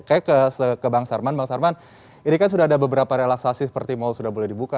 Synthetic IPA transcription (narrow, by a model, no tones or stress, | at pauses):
kajakəsəkəbaŋsarmanbaŋsarman | inikans̬udaɦadabəbəɾapaɾelaksasisə̥pərt̪imalsudaɦbolɛhdibuka